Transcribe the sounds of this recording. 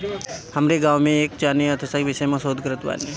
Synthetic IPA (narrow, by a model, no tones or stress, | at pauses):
hɐmɾeɡaːʋmẽeːk̚t͡ʃaːneɐt̪ʰəsaiʋɪʃəjmãsoːd̪ʱkəɾət̪ʋa̰ːne